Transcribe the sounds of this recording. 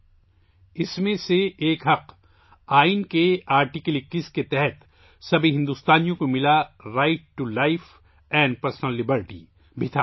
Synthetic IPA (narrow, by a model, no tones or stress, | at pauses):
ɪsmẽseeːkɦɐq | aːinkeaːɾʈikəlɪkːisket̪ɛɦɛt̪ | sɐbʱiɦɪ̃nd̪uːst̪aːnijõkomɪlaɾaɪʈ̚ːulaɪf | ɛ̃ːɳɖ̚pɐɾsnəlːɪbəɾʈḭ | bʱɪt̪ʰaː